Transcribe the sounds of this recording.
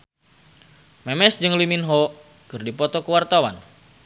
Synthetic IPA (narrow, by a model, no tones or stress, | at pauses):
mɛmɛsd͡ʒɨŋliminɦɔ | kɨrdipɔt̪ɔkəwart̪awa̰n